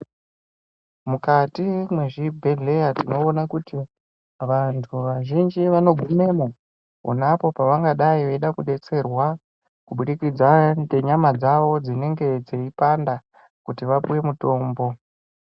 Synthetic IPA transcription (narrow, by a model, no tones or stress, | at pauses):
mukatimweʐibʱe̞ɮe̞jatino̞ːnakuti | ʋantʰuʋaʒind͡ʒiʋano̞ɡʱume̞ma | o̰napo̞paʋaŋɡaɗaiʋeiɗakuɗe̞t͡se̞rwa | kuɓuɗikid͡zadeɲamad͡zaʋo̞d͡zine̞ŋɡe̞d͡zeipanda | kutiʋapuwe̞muto̞ːmbo̞